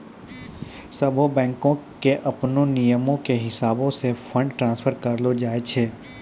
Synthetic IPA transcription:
sɐbʱobɛ̃ːŋkõkeʔɐpnõnijəmõkeɦɪsaːbõsefʰə̃ɳɖʈɾãːnsfʰəɾkɐɾlod͡ʒaːet͡ʃʰeː

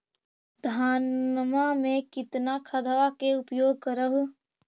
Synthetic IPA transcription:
d̪ʱaːnmamẽkɪt̪nakʰəd̪ʱʋakeʊpjoːɡ̚kəɾəɦu

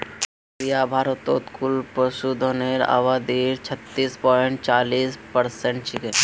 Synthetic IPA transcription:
ɾijabʱaːɾət̪o̰ːt̪kʰʊlpəʃud̪ʱoneɾa̰ːʋad̪iɾt͡ʃʰɐt̪ːiːspɔːɪɳʈ̚t͡ʃaːliːspəɾsẽɳʈ̚t͡ʃʰɪke

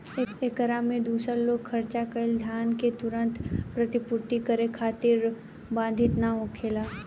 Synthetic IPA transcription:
eːkəɾamẽd̪uːsəɾloːɡkʰɐɾt͡ʃakəɪld̪ʱjaːnket̪ʊɾə̃nt̪pɾɐt̪ɪpʊɾt̪ikəɾekʰaːt̪ɪɾ | bãːnd̪ʱɪt̪naoːkʰeːla

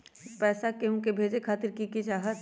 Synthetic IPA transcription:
pɛːsakeɦũkebʱeːd͡ʒekʰaːt̪ɪɾkikid͡ʒaːɦət̪

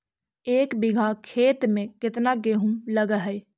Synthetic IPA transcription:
eːkbɪɡʱaːkʰeːt̪mẽːkɪt̪naːɡeːɦũːləɡaɦɛː

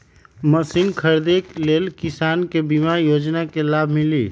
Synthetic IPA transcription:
məsinkʰəɾd̪eklelkisankebimaɾjod͡ʒnakelabʱmili

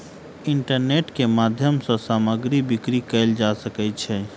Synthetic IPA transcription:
ɪɳʈəɾneʈkemad̪ʱjəmsɔ̃saːməɡɾibikɾikɛld͡ʒasəkɛt͡ʃʰɛ

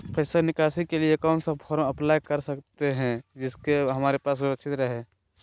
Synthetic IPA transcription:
pʰəɪsəɾnɪkaːsikeliekɔːnsəpʰɔːɾõɐplaːjkəɾsɐkt̪eɦɛ̃d͡ʒɪskeɦɐmaːɾepaːsʊɾəkʃʰɪt̪ɾəɦe

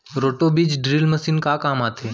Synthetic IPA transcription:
ɾoːʈobid͡ʒɖɾiːlməsiːnkakaːmat̪ʰeː

